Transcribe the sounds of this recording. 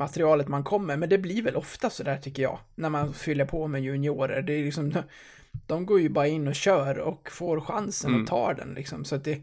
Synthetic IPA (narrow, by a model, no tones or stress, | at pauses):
mat̪ɾɪɑːlət̪mankʰɔmːəɾmɛnd̪ɛblɪɾvɛlʔɔft̪asɔd̪æːʈʰʏkːəɾjɑ̰ːɡnæɾmanfʏlːəɾpʰɔmɛjʊnɪoːɾə̰ɾɖɛlɪksɔmd̪ɔ | d̪̥ɔmɡoːɾjɵbɑːɾaɪnːɔɕœːɾɔkfoːɾɧansənɔt̪ʰɑ̰ːɖɛ̰nlʔɪ̰ksɔ̰msɔat̪̚d̪ɛ